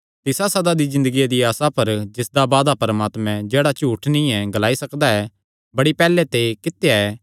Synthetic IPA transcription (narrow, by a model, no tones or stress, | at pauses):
t̪ɪsasɐd̪ad̪izɪ̃nd̪əɡijad̪iaːsapɐɾd͡ʒɪsd̪abaːd̪apɐɾəmaːt̪mɛ̃d͡ʒeːɽat͡ʃuːʈʰnĩɛɡɐlaːisɐkd̪aɛː | bɐɽipɛːlɛt̪ekɪt̪jaɛː